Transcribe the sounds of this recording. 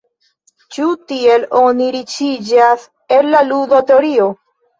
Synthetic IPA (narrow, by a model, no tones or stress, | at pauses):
t͡ʃut̪ieloniɾit͡ʃid͡ʒas | ellaluðot̪eoɾio